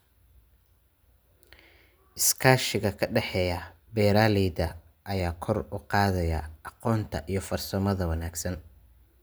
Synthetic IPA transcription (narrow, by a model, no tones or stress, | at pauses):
ʔɪskʰaːʃɪɣɐkʰɐɖɛħɛːjɐ | bɛːɾaːlɛːd̪ɐ | ʔɐjaːkʰɔrʊqɑːðɐjɐʔɑqɔːnt̪ʰɐ̰ʔijɞfɐrsɐmɐðɐwɑnaːɡsɐn